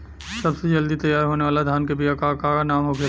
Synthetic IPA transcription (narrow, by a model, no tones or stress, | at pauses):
sɐbsed͡ʒɐld̪it̪ɐjaːɾɦoːneʋaːlad̪ʱjaːnkebiakakaːkanaːmɦoːkʰe